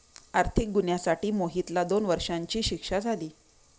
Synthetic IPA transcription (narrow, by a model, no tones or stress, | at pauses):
aɾt̪ʰik̚ɡunjasaʈiːmoɦit̪lad̪onʋəɾʂaɲt͡ɕiːɕikʂad͡zʱaliː